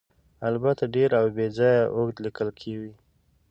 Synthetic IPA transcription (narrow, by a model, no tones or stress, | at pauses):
albat̪aɖeɾawbed͡zɑjaʔoɡd̪likəlkʰewi